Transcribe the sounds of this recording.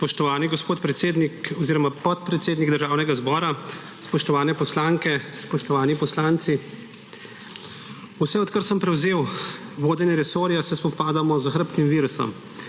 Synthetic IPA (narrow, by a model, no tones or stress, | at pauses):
spɔʃt̪ɔʋaːniɡɔspoːt̪pɾɛt̪seːd̪nikɔziːɾɔmapɔt̪̚pɾɛt̪seːd̪niɡd̪əɾʒaːwnɛɡazbɔːɾa | spɔʃt̪ɔʋaːnɛpɔslaːŋkɛspɔʃt̪ɔʋaːnipɔslaːnt̪si | usɛɔt̪kəɾsəmpɾɛwzeːwʋoːd̪ɛnɛɾɛsoːɾjasɛspɔpaːd̪amɔzəxɾpk̪imʋiːɾusɔ̰m